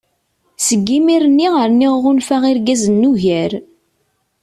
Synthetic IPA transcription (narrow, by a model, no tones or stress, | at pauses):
səɡːimiɾənːiʁəɾniʁːʊnfæʁɪɾɡæzənːuʝæɾ